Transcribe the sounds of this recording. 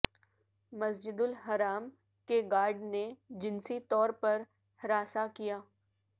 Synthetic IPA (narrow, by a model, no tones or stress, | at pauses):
mɐsd͡ʒɪd̪ʊlɦɐɾaːm | keɡaːɾɖned͡ʒɪnsit̪ɔːɾpɐɾ | hɪɾaːsakijaː